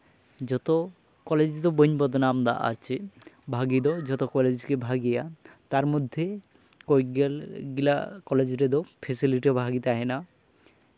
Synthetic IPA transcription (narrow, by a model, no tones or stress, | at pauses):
d͡ʑɔt̪o | kɔled͡ʑd̪oboɲbɔd̪namd̪a̰ʔa̰t͡ɕʰebʱaɡid̪ɔd͡ʑɔt̪okɔled͡ʑkebʱaɡijat̪aɾmod̪ʱːe | kojɡelɡila̰kɔled͡ʑɾed̪opʰesiliʈibʱaɡit̪aɦena